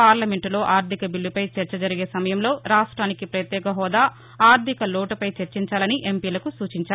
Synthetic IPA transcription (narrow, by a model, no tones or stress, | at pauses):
aːɾlɐme̞ɳʈlo̞ːʔaːɾt̪ʰikɐbilːipɐjt͡ʃɐɾt͡ʃɐd͡ʒɐɾiɡe̞ːsɐmɐjɐmlo̞ːɾaːʂʈɾaːnikipɾɐjɐt̪jɛːkɐɦɔːd̪aː | aːɾt̪ʰikɐloːʈɐpɐjt͡ʃeɾt͡ʃiɲt͡ʃaːlɐniʔe̞mpiːlɐkusuːt͡ʃiɲt͡ʃaːɾ